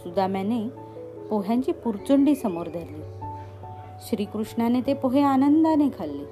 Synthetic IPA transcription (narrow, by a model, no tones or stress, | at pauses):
sud̪ʱamɛ̃ne | poɦjãɲt͡ɕiːpuɾt͡ɕuɳɖiːsəmoɾd̪ʱaɾliː | ɕɾiːkɾuʂɳanet̪epoɦeanənd̪anekʰalːiː